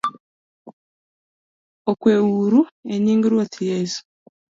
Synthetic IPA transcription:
okweːwuɾueɲiːŋɡiɾwotʰijesu̥

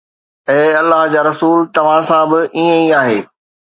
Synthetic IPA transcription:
ɛ̃ːɐlːaɦd͡ʑaːɾɐsuːlt̪ɐʋ̤ãsãbɪʔiːə̃iaːɦeː

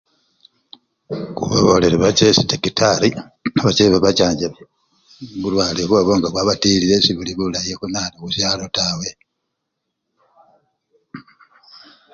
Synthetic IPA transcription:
kṵβa̰βoleɾeβat͡ʃesitekitʰaɾi | aβat͡ʃeβaβat͡ʃaːɲɟe | βulwaːlikweːβoŋɡakwaβatiːlile̞siβuliβulaijekunaːnikusjaːlo̞taːwe̞

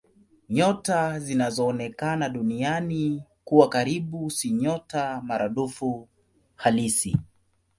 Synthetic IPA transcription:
ɲɔtazinazɔːnɛkanaɗunianikuwakaɾiɓusiɲɔtamaɾaɗufu | halisḭ

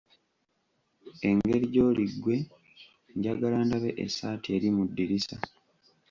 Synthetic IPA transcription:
e̞ŋɡe̞ɾiɟo̞ːliɡːwe̞ | ɲɟaɡalaːndaβe̞ʔḛsaːtie̞ːɾimudːiɾisa

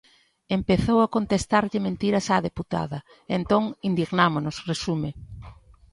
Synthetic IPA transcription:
empeθowakont̪est̪aɾʎɪmẽnt̪iɾɐsaðeput̪a̰ðɐ | ent̪oŋind̪iɣnamonʊsresume

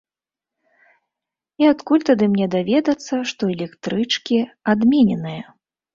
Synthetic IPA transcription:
iat̪kulʲt̪ad̪ɨmnʲɛd̪avʲɛd̪ɐt̪sːɐʂt̪ɔɛlʲɛkt̪ɾɨt͡ʂkʲiad̪mʲɛnʲɛnɨjɐ

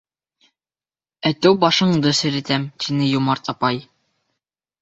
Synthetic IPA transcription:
æt̪æwbɑʃɤ̆ɴd̪ɤsɘ̆ɾɘ̆t̪æmt̪ʰinɘjumɑɾt̪ɑpɑj

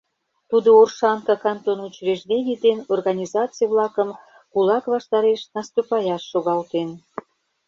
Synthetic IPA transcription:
t̪ud̪oorʃɑŋkɑkɑnt̪onut͡ɕreʒd̪enʲid̪enorɣɑnʲizɑt͡sɨjeβlɑkəm | kulɑkβɑʃt̪ɑɾeʃnɑst̪upɑjɑʃːoɣɑlt̪en

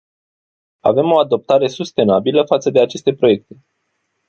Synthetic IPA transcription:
a̰ve̞mo̞ad̪o̞p̚t̪aɾe̞sust̪e̞nabiləfat̪səd̪e̞at͡ʃe̞st̪e̞pɾo̞je̞k̚t̪e̞

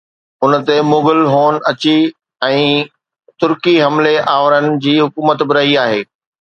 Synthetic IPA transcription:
ʊnt̪emoːɡəlɦoːnɐt͡ɕi | ɛ̃ː | t̪ʊɾkiɦɐmleʔaːʋɾənɪ̆d͡ʑiːɦʊkuːmət̪bɪɾɐɦiaːɦeː

